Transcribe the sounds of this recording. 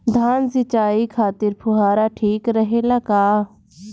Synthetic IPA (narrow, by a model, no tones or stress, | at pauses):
d̪ʱaːnsɪt͡ʃaːiːkʰaːt̪ɪɾpʰʊɦaːɾaːʈʰiːkɾəɦelaːkaː